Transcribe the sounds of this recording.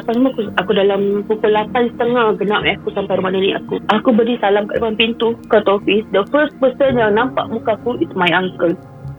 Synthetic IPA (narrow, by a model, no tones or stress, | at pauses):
apanmũakuakudalampukulapansə̥t̪əŋahɡənaʔaakusampajɾumanania̰kuʔakubədisalamkaʔdəpanpint̪ukət̪ɔfisdəfəs̚pəsənjaŋnãmpa̰ʔmũkakuit̪majaŋkən